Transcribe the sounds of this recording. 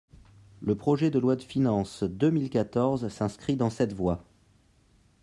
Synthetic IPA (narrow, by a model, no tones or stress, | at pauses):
ləpχɔʒɛd̪əlwad̪əfinɑ̃sd̪əmilkat̪ɔʁzsɛ̃skχid̪ɑ̃sɛt̪vwa